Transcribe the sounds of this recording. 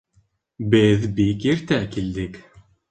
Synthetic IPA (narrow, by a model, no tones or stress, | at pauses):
bɘðbikiɾt̪ækild̪ɪk